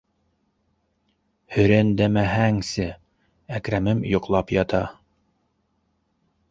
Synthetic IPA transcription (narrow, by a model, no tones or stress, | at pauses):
hɵ̆ɾænd̪æmæɦæŋsɘ | ækɾæmɘmjŏqlˠɑpjɑt̪ɑ